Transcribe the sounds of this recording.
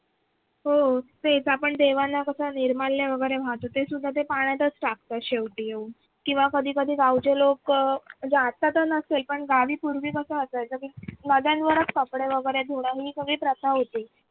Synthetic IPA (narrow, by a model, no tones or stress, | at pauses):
ɦot̪et͡sapəɳd̪eʋanakəsaniɾmalːjaʋəɡəjɾebʱat̪ot̪esud̪ʱːat̪̬epaɽ̃jat̪ət͡sʈak̚t̪aɕeʋʈiːo | kĩw̃ʋakəd̪ʱiːkəd̪ʱiːɡawt͡ɕelokd͡zat̪at̪əɾnəselpəɳɡaʋiːpuɾʋiːkəsəəsajt̪əkinəd̪janʋəɾət͡skəpɽeʋəɡəɾed̪ʱoɽ̃aɦiːkəʋiːpɾət̪ʰaɦot̪iː